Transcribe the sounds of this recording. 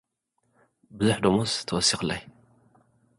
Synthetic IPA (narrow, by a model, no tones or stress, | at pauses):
bɨzuħd̪omost̪ʰːɐwɔsːixɨlːaj